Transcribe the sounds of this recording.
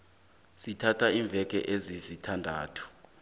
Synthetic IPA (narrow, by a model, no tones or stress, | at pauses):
sitʰatʰaiːɱb̪vʱɛk̬ʼɛ̰ʔezizitʰandʱaːtʰu̥